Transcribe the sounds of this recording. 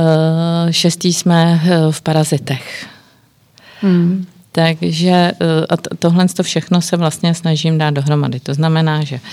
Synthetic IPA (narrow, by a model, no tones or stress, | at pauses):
ʃɛst̪iːsmɛfpaɾazɪt̪ɛx | t̪aɡʒɛʔat̪o̞ɦlɛnst̪o̞fʃɛxno̞sɛvlast̪ɲɛsnaʒimdaːt̪̚do̞ɦɾo̞ma̰dɪt̪o̞znamɛnaːʒɛ